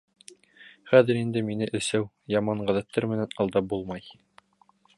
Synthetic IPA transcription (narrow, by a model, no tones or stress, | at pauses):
χæðɘ̆ɾind̪ɘminɘʔɘ̆sæw | jɑmɑɴʁæðæt̪ːɑɾmɘ̆nænɑlˠd̪ɑp̚bulˠmɑj